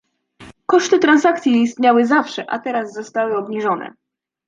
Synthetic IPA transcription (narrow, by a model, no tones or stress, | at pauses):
kɔʂt̪ɘt̪ɾansakt̪sʲjiiːst̪ɲawɘzafʂɛʔa̰t̪ɛɾazːɔst̪awɘɔbɲiʐɔnɛ̰